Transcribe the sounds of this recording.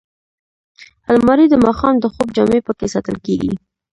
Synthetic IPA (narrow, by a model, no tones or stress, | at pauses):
almɑɾid̪əmɑxɑmd̪əxob̚d͡ʒɑmepəkesɑt̪əlkeɡḭ